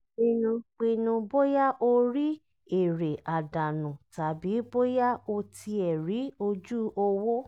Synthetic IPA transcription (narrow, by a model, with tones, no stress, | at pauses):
i˧nũ˧k͡pi˧nũ˧bo˦ja˦ʔo˧ɾi˦ | e˨ɾe˨ʔa˨da˨nũ˨ta˨bi˨˦bo˦ja˦o˧tʰi˧ɛ˨ɾi˨˦o˧d͡ʒu˦o˧wo˦